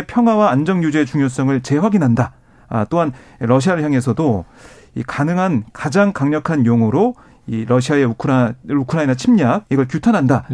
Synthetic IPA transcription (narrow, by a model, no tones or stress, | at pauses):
pʰjʌŋɦwawaand͡ʑʌŋjud͡ʑet͡ɕuŋjos̬͈ʌŋɯɭt͡ɕe̞ɸwaɡinɦanda | t͈oɦan | ɾʌɕ̬ʰiaɾɯɭçjaŋe̞sʰʌdo | ḭkanɯŋɦankad͡ʑaŋkaŋɲʌkʰanjoŋuɾo | iɾʌɕʰiae̞ukʰɯɾaukʰɯɾainat͡ɕʰimɲak̚iɡʌɭk̬jutʰanɦanda